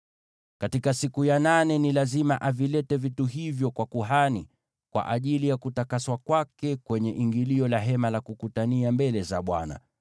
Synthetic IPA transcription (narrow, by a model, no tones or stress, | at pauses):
katikasikujananɛnilazimaʔavilɛtɛvituɦivjɔkwakuɦani | kwa̰ʔaʄilijakutakaswakwakɛkwɛɲɛʔiŋɡiliɔlaɦɛmalakukutaniambɛlɛzaɓwa̰na̰